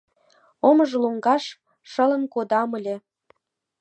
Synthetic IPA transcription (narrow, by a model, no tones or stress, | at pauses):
oməʒluŋɡɑʃ | ʃə̆lə̆nkod̪ɑmə̆lʲĕ